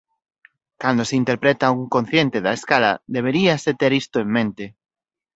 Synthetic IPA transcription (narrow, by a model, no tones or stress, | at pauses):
kand̪oseint̪eɾpɾet̪auŋkon̟θjent̪eðaeskala̰d̪eβ̞eɾiaset̪eɾist̪oeŋmẽnt̪e